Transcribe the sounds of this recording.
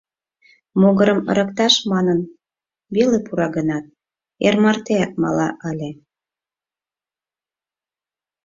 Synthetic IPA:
moɣəɾəmə̰̆ɾə̆kt̪ɑʃmɑnən | βelepuɾɑɣənɑt̪̚ | ermərt̪eɑk̚mɑ̰lɑ̰ʔɑlʲe

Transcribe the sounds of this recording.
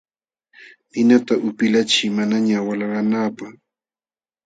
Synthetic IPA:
pɪnat̪aʔʊpɪlat͡ʃɪmanaɲawalaɾanaːpaχ

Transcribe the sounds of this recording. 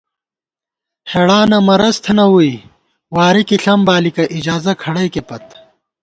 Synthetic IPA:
heɽaːnɐmɐɾɐst̪ʰnɐwui | waːɾikiɬɐmbaːlikɐʔid͡ʑaːzɐkʰɐɽɐjkepɐt̪

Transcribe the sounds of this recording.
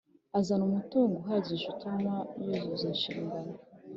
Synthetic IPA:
azanumutuːŋɡoɦaɟiʒutumajozozaʃiːŋɡana

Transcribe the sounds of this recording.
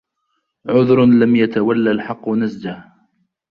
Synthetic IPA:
ʕʊðɾlamjat̪awalːalħɑqːʊnasd͡ʒah

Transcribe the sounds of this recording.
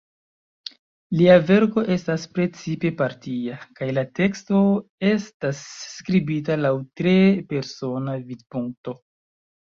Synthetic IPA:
liave̞ɾko̞ʔe̞staspɾe̞t͡sipe̞paɾtiakajlate̞ksto̞e̞stasːkɾibitalawtɾepe̞ɾso̞navidpuŋk̚to̞

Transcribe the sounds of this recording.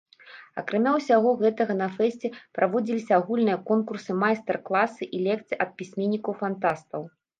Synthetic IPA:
ɐ̰kɾamʲawsʲaɣɔɣɛt̪ɐɣɐnɐfɛsʲt͡sʲɛpɾʔavɔd͡zʲilʲisʲɐaɣulʲnɨjɐkɔnkursɨmajst̪ɛrklˠasɨʔilʲɛk̚t̪sɨʔɐt̪̚pʲisʲmʲenʲːikɐwfant̪ast̪ɐw

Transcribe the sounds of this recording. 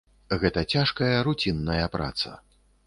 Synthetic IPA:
ɣɛt̪ɐt͡sʲaʂkɐjɐɾut͡sʲinːɐjɐpɾa̰t̪sɐ̰

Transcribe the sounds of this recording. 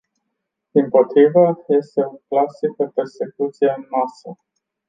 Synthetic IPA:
d̪̥impo̞t̪ɾivəje̞st̪e̞uklasik̚d̪əpe̞rse̞kut̪sijeɨnmasə

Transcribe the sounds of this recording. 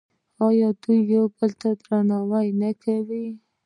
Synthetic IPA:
ɑjɑd̪ujːobəlt̪ad̪ɾanɑwajnakʰawi

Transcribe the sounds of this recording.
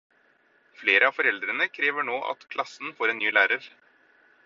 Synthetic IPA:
fleːɾʔəɑːfɔɾɛld̪ɾənəkʰɾeːʋəɳoːʔɑ̰t̪kʰlɑsn̩foːɾɛeːnnyːlæːɾəɾ

